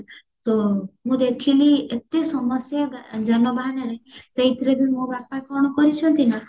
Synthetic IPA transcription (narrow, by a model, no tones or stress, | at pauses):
t̪omũd̪ekʰiliet̪esɔmɔsjad͡ʒanɔbʱaɦanɔɾeseɦit̪ɾed̪ʱinmũbapakɔɾɔɽ̃ɔkɔɾit͡ʃʰɔnt̪ina